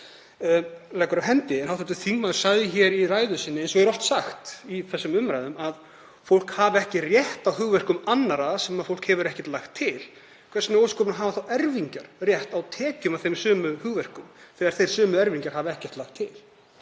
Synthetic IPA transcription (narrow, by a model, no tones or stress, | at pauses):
lɛjkʏɾaɦɛnt̪ɪɛnhawθɛt̪ʏθiŋmaðɾ̥sajðɪçɛɾiraːjðʏsɪnːɪejnsɔɣɛɾɔft̪saxt̪iθɛsːʏmʏmɾajðʏmað | fowl̥khaːvɛhcɪrjɛht̪awhʏɣvɛr̥kʏmanːaɾasɛmaðfowl̥khɛvʏɾɛhcɛ̥ɾ̥t̪laxt̪ʰːɪl | kʰvɛɾsʏnɪowskɔːpʏnaɦaːvaθawɛɾviɲcaɾ̥rjɛht̪awt̪ʰɛːcʏmavθejmsœːmʏhʏɣvɛr̥kʏmθɛːɣaɾ̥θejɾ̥sœːmʏɛɾviɲcaɾ̥haːvɛhcɛ̥t̪laxt̪ʰːɪl